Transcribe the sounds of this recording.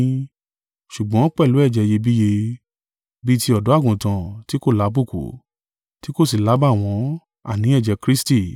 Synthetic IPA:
ʃu˨ɡ͡bɔ̃˨˦k͡pɛ˦˨lu˨˦ɛ˦˨d͡ʒɛ˨˧je˧bi˦je˧ | bi˦ti˧ɔ˨dɔ˨˦a˦˨ɡũ˨tã˨ti˦ko˦˨la˨˦bu˦˨kṵ˨ | ti˦ko˦˨s̬i˨la˨˦ba˦˨w̃ɔ̃˧˦ | a̰˦˨nĩ˨˦ɛ˦˨d͡ʒɛ˧kɾi˦sti˦˨

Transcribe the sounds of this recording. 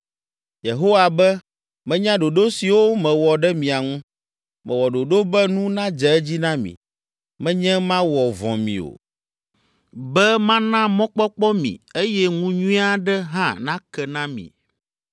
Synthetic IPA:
je˨ɦo˦wa˨bɛ˦ | mɛ̃˦ɲã˦ɖo˨ɖo˦si˨wo˦mɛ̃˨wɔ˨ɖɛ˦mĩ˨a˨ŋũ˦ | mɛ̃˨wɔ˨ɖo˨ɖo˦bɛ˦nũ˦nã˦d͡ʒɛ˨ɛ˦d͡ʑi˦nã˦mḭ̃˨ | mɛ̃˦ɲɛ̃˦mã˦wɔ˨vɔ̰̃˨mḭ̃˨o̰˨ | bɛ˦mã˦nã˦mɔ̃˦k͡pɔ˦k͡pɔ˦mḭ̃˨e˦jɛ˦ŋũ˦ɲũ˦i˦a˦ɖɛ˦ɦã̰˦˨nã˦kɛ˨nã˦mḭ̃˨

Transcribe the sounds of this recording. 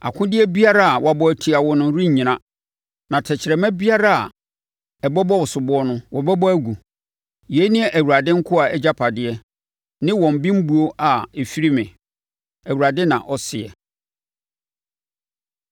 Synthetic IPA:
a̰˨kʰʊ̃˦dɪ˦ɛ˦bi˦a˦ɾa˦a˨wa˦bɔ˦æ˨tʰi˨a˨wɔ˦nʊ̃˦ɾĩ˦ɲ̩˨ɲĩ˨nã˦ | nã˨tʰɛ˨t͡ɕʰɪ˨ɾɛ˨mɛ̃˦bi˦a˦ɾa˦a̰˨ | ɛ˨bɔ˦bɔ˦wʊ˨sʊ˨bʊ˦ɔ˦nʊ̃˦wɔ˨bɛ˦bɔ˦æ˦ɡu˨ | je˨˦nĩ˦ɛ˦ʔæ˨wu˨ɾa˨dɪ̃˦ŋ̩˦kʰʊ˦a˨ɛ˦d͡ʑa˦pʰa˨dɪ˦ɛ˦ | nɪ̃˦wɔ̃˨m˨bĩ˦m̩˦bu˨o˦ʔa˨e˨fi˦ɾi˦mɪ̃˨ | æ˨wu˨ɾa˨dɪ̃˦nã̰˨ʔɔ˦sɪ˨ɛ̰˨

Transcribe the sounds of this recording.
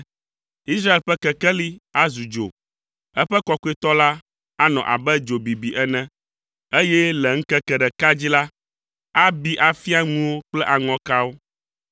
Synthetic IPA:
i˦sɾa˦e˨lɸɛ˦kɛ˨kɛ˦li˦a˦zu˨d͡ʒo̰˨ | ɛ˦ɸɛ˦kɔ˦ku˦e˦t̪ɔ˦la˦ | a˦nɔ̰̃˨ʔa̰˨bɛ˦d͡ʒo˨bi˨bi˨ʔɛ˦nɛ̃˦ | e˦jɛ˦lɛ˨ŋ̩˦kɛ˦kɛ˨ɖɛ˨ka˦d͡ʑi˦la˦ | a˦bi˦ʔa˨fi˦a˦ŋũ˦wo˦k͡plɛ˦ʔa˨ŋɔ̃˨˦ka˦wo˦

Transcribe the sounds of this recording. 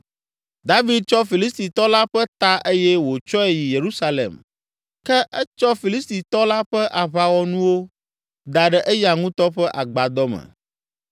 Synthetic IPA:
d̪a˦vi˨d̪̚t͡ʃɔ˦fi˨li˦st̪i˨t̪ɔ˦la˦ɸɛ˦t̪a˦ʔe˦jɛ˦wo˨t͡ʃɔ˦ɛ˨ji˨je˨ɾu˦sa˦lḛ˨m | kɛ˦ʔɛ˦t͡ʃɔ˦fi˨li˦st̪i˨t̪ɔ˦la˦ɸɛ˦ʔa˨βa˨wɔ˦nũ˦wo˦ | d̪a˨ɖɛ˨ʔɛ˦ja˨ŋũ˦t̪ɔ˦ɸɛ˦ʔa˨ɡ͡ba˨d̪ɔ˦mɛ̰̃˨

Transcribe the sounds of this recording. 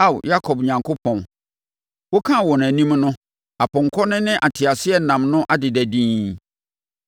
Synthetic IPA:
a˦˨wja˦kʰɔ˨bɲã˨ŋkʰo˦pʰɔ̃˨n | wɔ˦kʰã˦˨wɔ˨n˨æ˨nĩ˦mnʊ̃˦ | a˨pʰʊ̃˨ŋ̩˨kʰɔ˦nɪ̃˦nɪ̃˦ʔa˨tʰɪ˨a˨sɪ˦ɛ˦˨nã˨mnʊ̃˦ʔa˦dɪ˨dæ˨dĩː˦n

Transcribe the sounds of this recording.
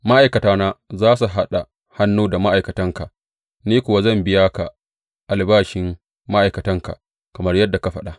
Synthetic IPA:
ma˦ʔa˨jkɐ˨taː˦naː˦zaː˦s̬u˨ɦa˦ɗa˨ | ha˦nːuː˦da˨ma˦ʔa˨jkɐ˨tɐ˦ŋka˨ʔ | niː˦kʷʊ˨wa˦zɐ˦˨mbɪ˦jaː˦ka˨ | ʔa˨lbaː˦ʃɪ˨mː | a˦ʔa˨jkɐ˨tɐ˦ŋka̰˨ʔ | kɐ˨mɐ˦rjɐ˦dːa˨ka˨ɸɐ˦ɗa˨

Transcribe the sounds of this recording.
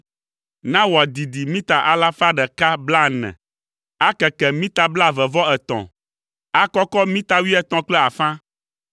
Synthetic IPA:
nã˦wɔ˨a˨d̪i˨d̪i˨mĩ˦t̪a˨ʔa˦la˦fa˦ɖɛ˨ka˦bla˦nɛ̰̃˨ | a˦kɛ˨kɛ˨mĩ˦t̪a˨bla˦˨vɛ˨vɔ˦ɛ˨t̪ɔ̰̃˨ | a˦kɔ˦kɔ˦mĩ˦t̪a˦wi˦ɛ˦t̪ɔ̃˦k͡plɛ˦a˨fã˦

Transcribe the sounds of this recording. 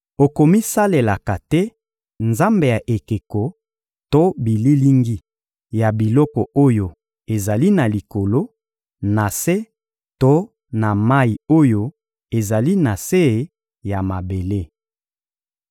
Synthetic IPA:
o˨ko˨mi˦sa˦le˨la˨ka˨tɛ˦ | nza˦mbe˨ja˨ʔe˨ke˨kɔ˨ | to˦bi˨li˦li˦ŋɡi˦ | ja˨bi˨lɔ˦kɔ˨o˦jo˦ | e˨za˨li˦na˨li˨ko˨lo˦ | na˨se˦ | to˦ | na˨ma˦i˨o˦jo˦ | e˨za˨li˦na˨se˦˨ | ja˨ma˨be˨le˦

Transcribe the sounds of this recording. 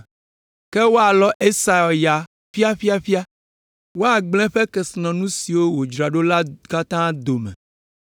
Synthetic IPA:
ke˦wo˦a˨lɔ˦ʔe˦sa˨ɔ˨ja˨ | fi˦a˦fi˦a˦fi˦a˦ | wo˦a˨ɡ͡blɛ̃˦ɸɛ˦kɛ˨snɔ̃˨nũ˦si˨wo˦wo˨d͡ʒɾa˨ɖo˦la˦ka˦t̪ã˦d̪o˨mɛ̰̃˨

